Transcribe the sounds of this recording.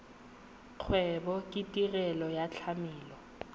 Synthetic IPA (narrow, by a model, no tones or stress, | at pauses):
q͡χʰwɛbɔkʼɪtʼirɛlɔjat͡ɬʰamiːlɔ